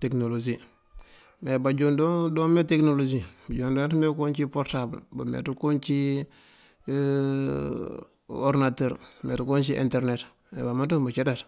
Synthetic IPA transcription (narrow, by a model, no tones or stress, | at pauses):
teknolod͡ʒi | mebaɟundodoːmeteknolod͡ʒibaɟondotmekont͡ʃipoɾtablba̰mḛtukoːnt͡ʃi | oɾnateɾmḛtukoːnt͡ʃiʔḭnteɾnet | mḛbamatombat͡ʃedat